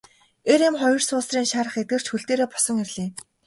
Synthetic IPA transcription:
eɾemχɔjɞ̆rsʊːsriːŋʃaːɾə̆χet̪̚ɡɘ̆r̥t͡ɕxuɮɬt̪eːɾeːpɔ̥sɞ̆ŋerɮiː

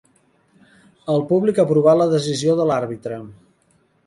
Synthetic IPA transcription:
əlˠpuβlikapɾuβaləðəzizioðəlaɾβit̪ɾə

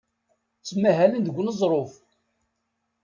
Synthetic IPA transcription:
t͡sːmːæɦælənd̪əɡʷnəzˤɾˤof

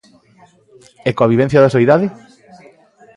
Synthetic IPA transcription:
ɛkõaβiβɛ̃n̟θjaðasoiðaðɪ

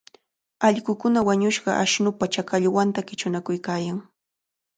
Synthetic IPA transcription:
ɑʎɢʊkʊnawaɲʊʃɢɑ̰ʔaʃnʊpat͡ʃakaʎwant̪akɪt͡ʃʊnakʊjkaːjaŋ

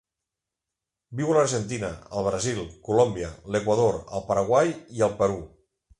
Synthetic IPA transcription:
biwələɾʒənt̪inəəlˠβ̞ɾəzilˠkulombjəlekwəðoɾə̰lˠpəɾəɣwajiəlˠpəɾu

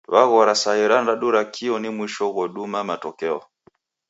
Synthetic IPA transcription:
βaɣɔɾasaɛɾandaɗuɾakʰiɔnimwiʃɔɣɔɗumamatɔkɛɔ̰

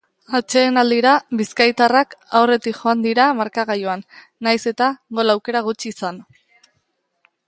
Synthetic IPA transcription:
at͡ʃe̞ːnald̪iɾaβiskajt̪arakawre̞t̪ikʝo̞and̪iɾamaɾkaɣajoanː | ajse̞t̪aŋɡo̞lawke̞ɾaɣ̞ut͡ʃiːsan

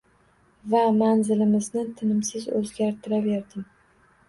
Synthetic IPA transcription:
vamanzɪlɪmɪznɪt̪ʰɪnɪmsɪzɵ̰zɡʲaɾt̪ʰɪɾaveɾd̪ɪŋ

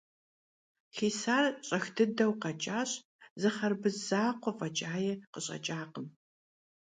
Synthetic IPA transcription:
xeːsaːrɕʼɐxtʰɨdɐwqɐt͡ʃʼaːɕ | zɨχɐrbɨzzaːqʷɔfʼɐt͡ʃʼaːjɛqəɕʼɐ̰t͡ʃʼaːqəm

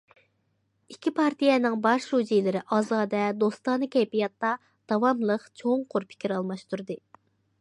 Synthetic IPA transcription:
ikʲʰipʰɑɾt̪ʰijɛnɪŋbɑʃɾud͡ʒijlɪɾɪʔɑːzɑːd̪ɛd̪ost̪ɑnɨkʲɛjpijɑt̪ːɑ | d̪̥ɑwɑmlˠəqt͡ʃʰoŋqʰʊɾpʰɪ̥kʲʰiɾɑlˠmɑʃt̪uɾd̪ɨ

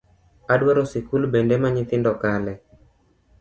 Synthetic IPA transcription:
adwaɾɔsikulbendɛmaɲɪt̪ɪndɔkalɛ

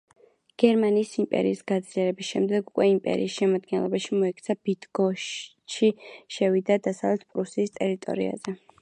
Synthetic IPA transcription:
ɡ̥ɛɾmaniːsimpʼɛ̰ɾiːsɡad̪zliɛɾɛbisʃɛmd̪ɛɡukʼwɛimpʼɛ̰ɾḭːsʃɛmad̪ɡɛnlˠɔ̰baʃimɔɛk̚ʰt̪sʰabid̪ɡɔʃ | ʃiʃɛvid̪ad̪asavlɛt̪̚ʰpʼɾusiːst̪ʼɛɾit̪ʼɔ̰ɾḭa̰zɛ

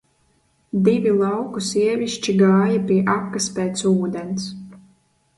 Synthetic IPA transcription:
d̪ivʲilˠɑwkusiɛvʲiʃt͡ʃiɡaːjapʲiɛʔakːaspɛːt̪suːd̪ɛns

